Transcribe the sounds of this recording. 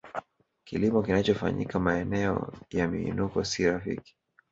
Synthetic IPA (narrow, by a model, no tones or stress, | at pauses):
kilimɔkinat͡ʃɔfa̰ɲḭkamaɛnɛɔ̰jamḭːnukɔsiɾafḭki̥